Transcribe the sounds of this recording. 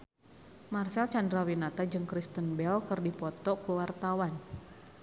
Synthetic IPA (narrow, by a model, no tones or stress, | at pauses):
marsɛlt͡ʃandɾawinat̪ad͡ʒɨŋkɾist̪ənbɛlkərdipɔt̪ɔkuwart̪awan